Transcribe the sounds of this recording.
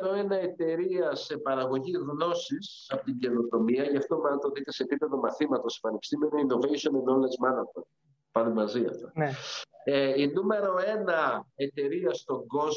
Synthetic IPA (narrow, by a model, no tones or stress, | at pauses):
ɾo̞e̞nɐe̞t̪e̞ɾiɐse̞pɐɾɐɣo̞ʝiɣno̞sis | ɐpo̥t̪iɟe̞not̪o̞miɐʝɐft̪omɐnɐt̪oðikt̪ese̞ːpipe̞ðo̞mɐθimɐt̪o̞se̥pɐnepi̥st̪imenoino̞vejʃionẽnd̪olezmɐnɐt̪on | pɐnemɐziɐ̰ft̪ɐ | inume̞ɾo̞e̞nɐe̞t̪e̞ɾiɐst̪o̞ŋɡo̞z